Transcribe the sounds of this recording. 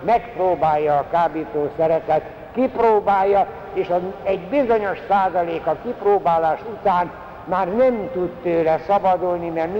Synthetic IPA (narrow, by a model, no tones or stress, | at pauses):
mɛkproːbaːjːɒːkaːbiːt̪oːsɛɾɛt̪ɛt̪ | kiproːbaːjːɒ | eːʃɒɛɟbizoɲo̞ʃsaːzɒleːkɒkiproːbaːlaːʃut̪aːn | maːrnɛmt̪ut̪t̪øːlɛsɒbɒd̪ulnimɛrmi